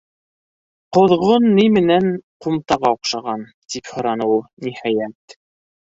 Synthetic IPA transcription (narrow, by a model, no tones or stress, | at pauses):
qŏðʁonːijmɘ̆næɴqumt̪ɑʁɑoqʃɑʁɑnt̪iphɤ̆ɾɑnɤwulˠnihɑjæt̪